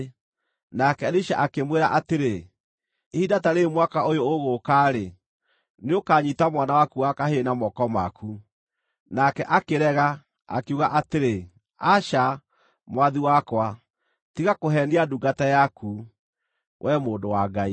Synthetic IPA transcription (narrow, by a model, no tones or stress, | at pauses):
nakɛɾiʃa̰ʔakemweɾaʔateɾe | ehidataɾeːmwakaojoːɣokaɾe | neokaɲitamwanawakuakaɦenamɔkɔma̰kʰu | nakɛʔakeɾɛɣa | a̰keuɣaʔateɾe | aʃa | mwaðiwakwa | tiɣakoɦɛːndiaduɡatajaku | wʔɛmoːndowaɡai